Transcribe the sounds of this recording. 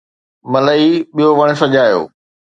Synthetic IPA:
mɐləiɓijoʋɐɽ̃̆sɐʄaːjo̰ː

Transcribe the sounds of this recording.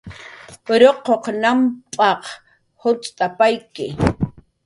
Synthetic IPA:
ɾoqoqnampʼɑq | hʊt͡sʼt̪ʼapajkɪ

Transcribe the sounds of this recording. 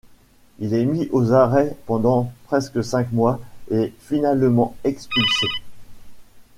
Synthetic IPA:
ilɛmiʔozaʁɛpɑ̃d̪ɑ̃pχɛskəsɛ̃kmwaefinalmɑ̃ɛkspylse

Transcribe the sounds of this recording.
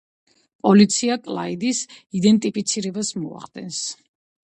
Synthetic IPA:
pʼɔlit̪sʰiakʼlˠa̰id̪isid̪ɛnt̪ʼipʰit̪sʰiɾɛbasmɔa̰χd̪ɛ̰ns

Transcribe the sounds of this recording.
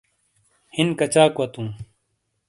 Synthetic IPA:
hinkɐt͡ɕaːkwɐt̪ũː

